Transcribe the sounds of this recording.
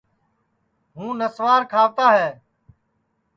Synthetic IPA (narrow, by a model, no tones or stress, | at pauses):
ɦũːnəsʋaːɾkʰaːʋt̪aːɦɛː